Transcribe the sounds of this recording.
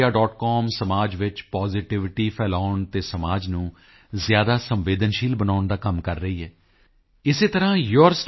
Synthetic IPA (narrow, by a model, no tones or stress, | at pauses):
aːɖɔːʈkɔːmsəmaːd͡ʒʋɪt͡ʃpaːzɪʈɪʋɪʈiːpʰɛːlaːʊɳt̪eːsəmaːd͡ʒnũː | zjaːd̪aːsəmʋeːd̪ənʃiːlbənaːʊɳd̪aːkəmkəɾːəiːɦɛː | ɪseːt̪əɾãːjoɾsʈ